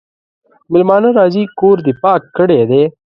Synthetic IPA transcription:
mɪlmɑːnəɾɑːzikoɾd̪ɪpɑːkːəɽed̪e

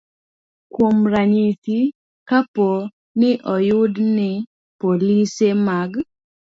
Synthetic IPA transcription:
kwomɾaɲit̪i | kapo | nɪʔɔjʊdnɪ | polisemaɡ

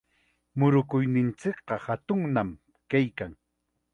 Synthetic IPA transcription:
mʊɾʊkʊjnɪnt͡sɪkqɑhat̪ʊŋnam | kajkaŋ

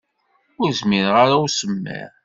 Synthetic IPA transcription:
ʊɾzmiɾʁaɾawsəmːæ̰ɾ

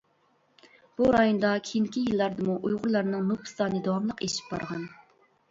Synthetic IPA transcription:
b̥uɾɑjond̪ɑkʲʰijiŋkʲʰijilˠːɑɾd̪ɨmuʔujʁʊɾlˠɑɾnɨŋnupʰɨ̥st̪ɑːnɨd̪ɑwɑmlˠəqeʃi̥p̚bɑɾʁɑn

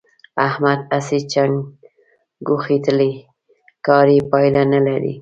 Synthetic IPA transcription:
ahmad̪asit͡ʃaŋ | ɡuxit̪əli | kɑɾipɑjlanalaɾḭ

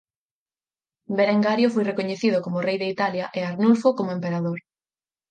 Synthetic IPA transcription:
beɾeŋɡaɾjofojrekoɲeθiðʊkomʊrejðeit̪aljaʔeaɾnulfokomoempeɾaðoɾ

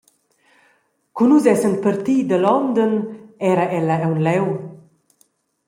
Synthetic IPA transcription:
kunuzɛsənpəɾt̪id̪əlɔnd̪ənɛɾəʔɛləɛwnlɛw

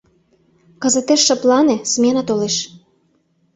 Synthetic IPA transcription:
kə̆zət̪eʃːɤ̆plɑnĕsmenɑt̪oleʃ

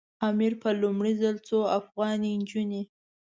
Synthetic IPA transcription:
ɑmiɾpəlumɽizalt͡soafɣɑnind͡ʒuni

